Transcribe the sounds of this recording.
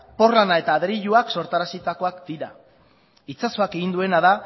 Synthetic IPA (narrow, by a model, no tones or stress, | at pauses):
po̞rlanae̞t̪aːðɾiʎuakso̞ɾt̪aɾasit̪ako̞akd̪iɾa | it͡saso̞ake̞ɣind̪ue̞naða